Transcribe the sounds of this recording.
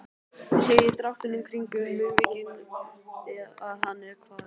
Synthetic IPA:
seːjɪt̪ɾaft̪ɪnʏmkʰɾiɲkʏmɪvɪːcɪn | aaðɦanːɛɾkʰvaːð

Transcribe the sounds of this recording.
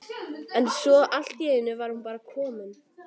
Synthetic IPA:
ɛnsɔʔal̥t̪jɛːðɪnːʏvaɾ̥hunpaːɾakʰɔːmʏn

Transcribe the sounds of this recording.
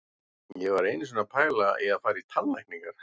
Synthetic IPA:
jɛvaɾejnɪs̬ɛnapʰaːjlaɛaðfaːjɾit̪ʰallajkpniŋkaɾ̥

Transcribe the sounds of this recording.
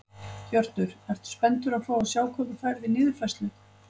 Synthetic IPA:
çœr̥t̪ʏɾ̥ɛɾ̥t̪spɛnt̪ʏɾawfaːwasjaːwkʰɔt̪ʏfajɾðɪnɪːðʏɾ̥fɛjst̪lʏ

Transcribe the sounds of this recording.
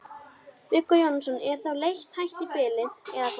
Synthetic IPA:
vɪkːɔjɔnsɔnɛɾ̥θawlejçt̪hajht̪ipɪːlɪɛðak

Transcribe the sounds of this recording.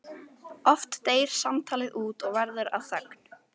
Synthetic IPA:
ɔft̪ːeːjɾ̥samt̪ʰaːlɪðʔuːt̪ɔɣvɛɾðʏɾa̰ðθœkn̥

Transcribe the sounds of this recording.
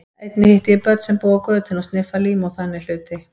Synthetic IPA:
ejt̪nɪhɪht̪jɪpœt̪sɛmpuːɣakœːt̪ɪnɔst̪nɪfaliːmawθanːɪl̥ʏːt̪ɪ

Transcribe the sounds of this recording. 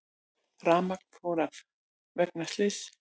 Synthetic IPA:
raːmak̪fʰɔːɾaf | vɛk̚nast̪lɪs

